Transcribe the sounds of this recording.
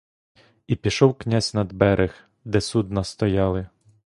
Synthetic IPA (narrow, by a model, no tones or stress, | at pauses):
ipʲiʃɔwknʲazʲnɐd̪bɛɾʔɪx | d̪ɛsud̪nɐst̪ɔjɑlˠɪ